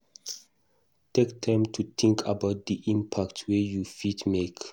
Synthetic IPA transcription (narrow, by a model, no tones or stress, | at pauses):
tʰektʰãɪ̃mtʰut̪ʰĩŋkʰa̰baʊt̚d̪iʔĩmpʰaktwejufitmek